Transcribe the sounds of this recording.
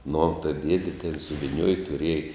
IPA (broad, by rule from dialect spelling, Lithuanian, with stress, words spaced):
nʊ tɐɪ ˈdʲiɛdʲɪ tʲɛn sʊʋʲɪˈnʲuɔj tʊˈrʲiɛj